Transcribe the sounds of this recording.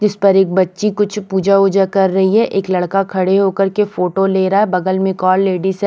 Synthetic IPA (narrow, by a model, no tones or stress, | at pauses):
d͡ʒɪspɐɾeːk̚bɐtːʃikʊt͡ʃʰpuːd͡ʒaʊd͡ʒəkɐɾːɐɦiɦɛʔeːklɐɽkakʰɐɽeɦoːkɐɾkefoːʈoleːɾaɦɛbɐɡəlmẽkɔːlːeːɖisɛ